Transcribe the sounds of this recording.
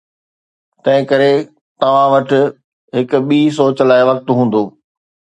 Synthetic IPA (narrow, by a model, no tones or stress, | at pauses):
t̪ɐ̃ɦɪ̃kɐɾe | t̪ɐʋ̤ãʋɐʈɪ̆ | ɦɪkʊ̆ɓiːs̬oːt͡ɕlaːɪʋɐk̚t̪ɦũːn̆d̪oː